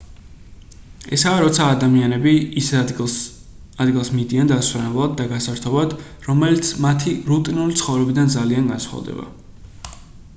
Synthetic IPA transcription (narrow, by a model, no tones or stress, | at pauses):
ɛsaːɾɔt̪sʰaːd̪amianɛbis | ad̪ɡilˠsmid̪iand̪asvɾɛnɛblˠad̪̚ːaɡasaɾt̪ʰɔbad̪ | ɾɔmɛlit̪sʰmat̪ʰiɾut̪ʼinulit̪sʰχɔvɾɛbid̪and̪zalianɡansχa̰vd̪ɛ̰ba̰